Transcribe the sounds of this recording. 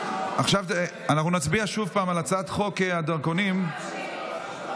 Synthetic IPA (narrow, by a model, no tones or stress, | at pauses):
ʔaχʃave | anaχnunat͡sbiaʃuvpaːmalat͡sad̪χo̞kead̪aʁkonim